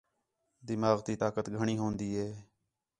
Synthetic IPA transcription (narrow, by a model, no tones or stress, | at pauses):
d̪ɪmaːɣt̪iːt̪aːkət̪ɡʱəɳ̃iːɦoːnd̪iːɦɛː